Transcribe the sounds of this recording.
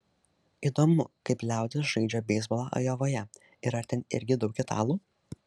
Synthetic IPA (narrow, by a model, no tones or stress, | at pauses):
iːd̪oːmʊkɐɪplʲæˑʊd̪ʲɪs̬ʒɐɪd͡ʒʲoːbʲɛɪzbɔlˠɑʔɐ̰joːʋoːjɛ | ɪɾɐɾt̪ʲɛnɪ̰ɾʲɡʲɪd̪ɒʊkʲɪt̪ʰɑ̰ːlˠuː